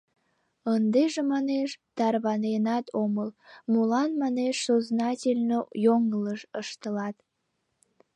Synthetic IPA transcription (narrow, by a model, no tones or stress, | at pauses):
ənd̪eʒemɑneʃt̪ɑrβɑnenɑt̪ʰoməlmulɑnmɑneʃsoznɑtʲelʲnojoŋələʃəʃt̪əlɑt̪